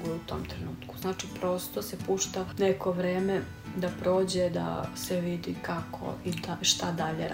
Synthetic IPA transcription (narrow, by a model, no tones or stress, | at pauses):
ɡujut̪o̰ːmt̪ɾenuːt̪ku̥znaːt͡ʃipɾo̞st̪osepuʃt̪aneko̞ʋɾeːme | d̪apɾo̞ːd͡ʑed̪a̰seʋid̪ikakʰo̰id̪aʃt̪ad̪aʎeɾ